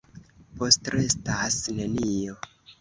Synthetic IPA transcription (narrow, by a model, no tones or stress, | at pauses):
po̞stɾestasne̞nijo̞